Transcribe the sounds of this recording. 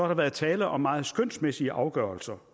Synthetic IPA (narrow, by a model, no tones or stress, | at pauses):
ɒhɑɾ̥ɑ̈ʋæːɐð̩ˠt͡sʰɛːləʔɒ̽mːɑ̈ːð̞̩ˠsɡ̥øn̰smesiəʔɑ̈ʊɡ̥œɐlsɐ